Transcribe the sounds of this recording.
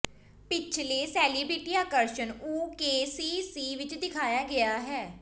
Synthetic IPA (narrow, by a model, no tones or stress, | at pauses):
pɪt͡ʃʰleːsɛːliːbɾeːʈiːaːkəɾʃənuːkeːsiːsiːʋɪt͡ʃd̪ɪkʰaːjaːɡɪaːɦɛː